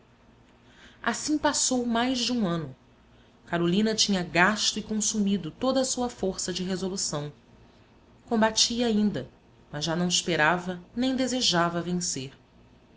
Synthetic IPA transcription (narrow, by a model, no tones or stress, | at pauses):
asĩŋpasowmajzd͡ʒɪũɐ̃nʊ | kaɾolĩnɐt͡ʃĩɲɐɡaʃt̪ʊikõsumid̪ʊt̪od̪ɐsuɐfoɾsɐd͡ʒɪɦezolusɐ̃w̃ | kõmbat͡ʃiɐaĩnd̪ɐ | mɐzʒanɐ̃w̃iʃpeɾavɐnẽj̃d̪ezeʒavɐvẽseɾ